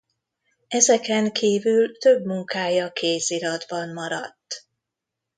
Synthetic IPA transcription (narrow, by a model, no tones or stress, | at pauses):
ɛzɛkɛŋkʰiːvylt̪øbmuŋkaːjɒkʰeːziɾɒd̪bɒmmɒɾɒt̪ː